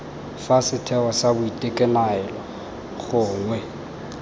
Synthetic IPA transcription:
fasɪtʰɛwɔsabʊitʼekʼɛnaɛlɔ | χʊːŋwɛ

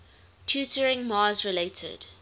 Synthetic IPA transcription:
tʰjutəɹɪ̃ŋmɑːzɹɪleɪtʰə̰d̥

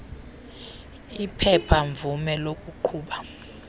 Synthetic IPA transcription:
ipʰɛpʰaɱvumɛlokʼuǃʰuːɓa

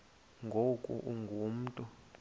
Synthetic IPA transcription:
ŋɡʱokʼṵʔuŋɡʱum̩ːtʼu

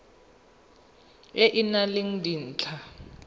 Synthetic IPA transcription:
eʔinaleŋ̩din̩ːt͡ɬʰa

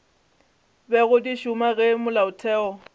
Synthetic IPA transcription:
bɛɣʊdiʃʊmaɣɛmʊlaʊtʰɛːɔ

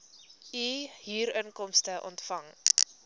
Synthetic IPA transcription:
iɦiːɾənkɔmstəʔɔ̰ntfɐŋ

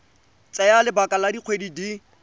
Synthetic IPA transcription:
t͡sʼɛjalɪbakʼaladiq͡χʰwedidi

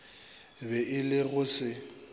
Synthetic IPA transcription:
bɛʔɪlɪɣʊsɪ

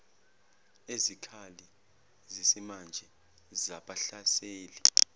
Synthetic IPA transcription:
ezikʰali | zisimand͡ʒʱɛ | zaɓaɬaseːli

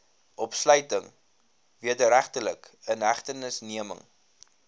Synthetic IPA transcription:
ʔɔpslœɥtəŋ | viədəɾæχtələkənɦæχtənəsniəmə̰ŋ

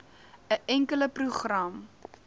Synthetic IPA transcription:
əʔɛŋkələpruχrɐm

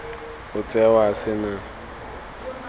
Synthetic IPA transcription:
ʊt͡sʼɛwasɪna

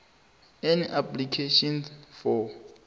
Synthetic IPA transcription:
ɛniʔapʰlikʰeʃɔnsfɔ

